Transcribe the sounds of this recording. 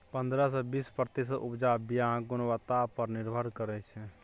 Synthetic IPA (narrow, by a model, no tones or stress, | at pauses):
pə̃nd̪ɾas̬ebiːspɾt̪is̬ʔʊpd͡ʒaːbijãɡʊnwət̪apəɾnɪɾbʱəɾkəɾɛt͡ʃʰɛ